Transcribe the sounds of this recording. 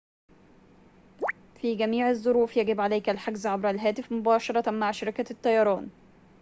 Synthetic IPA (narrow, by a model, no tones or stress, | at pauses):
fiːɡæmiːʕɪzˤːʊɾuːfjæɡɪbʕalæjkælħaɡzʕabɾælɦæːt̪ɪfmʊbɑːʃɑɾˤɑmaʕʃɑɾɪkæt̪ːɑjɑɾˤɑːn